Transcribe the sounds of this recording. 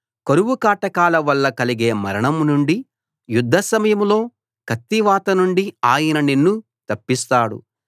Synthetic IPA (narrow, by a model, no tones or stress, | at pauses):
kɐɾuʋukaːʈɐkaːlɐʋɐlːɐkɐliɡe̞ːmɐɾɐɳɐmnuɳɖi | jud̪ʱːɐsɐmɐjɐmlo̞ː | kʰɐt̪ːiʋaːt̪ɐnuɳɖiaːjɐnɐninːu | t̪ɐpːist̪aːɽṵ